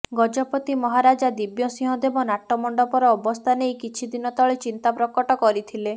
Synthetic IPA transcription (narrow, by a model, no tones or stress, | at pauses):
ɡɔd͡ʒɔpɔt̪imɔɦaɾad͡ʒad̪ibjɔsĩɦɔ̃d̪ebɔnaʈːɔmɔɳɖɔpɔɾɔːbɔst̪ʰanejkit͡ʃʰid̪inɔt̪ɔɭet͡ʃint̪apɾɔkɔʈɔkɔɾit̪ʰile